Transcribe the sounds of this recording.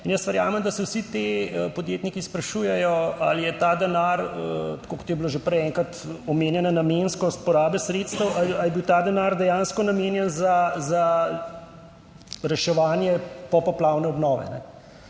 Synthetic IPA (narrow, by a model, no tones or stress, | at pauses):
injəstʋɛɾja̰ːmɛmd̪ɐsɛwsit̪eəpɔd̪jeːt̪nikispɾaʃujɛjɔa̰lijɛt̪aːd̪ɛnaɾət̪kokɔ̥t̪jɛbiloʒepɾɛjɛŋkɾat̪ɔmeːnjɛnanamenskɔst̪pɔɾaːbɛsɾeːt̪st̪əwaajɛbiwt̪aːd̪ɛnaɾd̪ɛjanskɔnameːnjɛnzaza | ɾɛʃɛʋaːnjɛpɔpɔplaːwnɛɔbnɔːʋɛ̰nɛ̰